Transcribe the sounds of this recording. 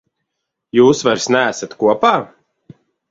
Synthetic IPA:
juːsvaɾsnæːsat̪kuɔpaː

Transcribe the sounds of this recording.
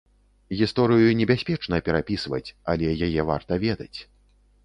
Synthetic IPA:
ɣʲist̪ɔɾɨjunʲɛbʲasʲpʲɛt͡ʂnɐpʲɛɾapʲisvɐ̰t͡sʲalʲɛjajɛva̰rt̪ɐvʲɛd̪ɐt͡sʲ

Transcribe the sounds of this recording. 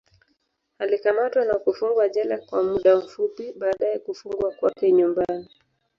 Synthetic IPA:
alikamatwanakufuŋɡwaʄalakwa̰muɗam̩fupiɓaːɗaɛkufuŋɡwakwakɛɲumbani

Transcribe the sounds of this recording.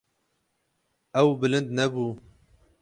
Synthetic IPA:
ɛwbɨlɨnd̪̚nɛbuː

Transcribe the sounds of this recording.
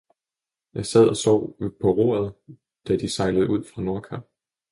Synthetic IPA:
jɑ̈ɪsæð̞̰ˠɒ̽sɒ̰ʊ̰pʰɒ̽ʁo̝̰ːɐðˠ | d̥æd̥isɑ̈ɪləð̞̩ˠuð̞̰ˠfʁɑ̈no̝ɐkʰæ̥

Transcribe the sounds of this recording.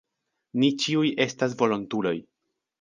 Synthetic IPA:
nit͡ʃiujʔe̞stas̬vo̞lontulo̞j

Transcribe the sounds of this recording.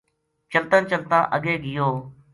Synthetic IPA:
t͡ʃəlt̪ənt͡ʃəlt̪ã̰ːʔəɠeːɡɪjoː

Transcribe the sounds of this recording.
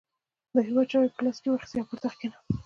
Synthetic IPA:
d̪əɦewɑd̪̚t͡ʃɑwepə̥klaskewaɾxsjɑpuɾt̪axkena

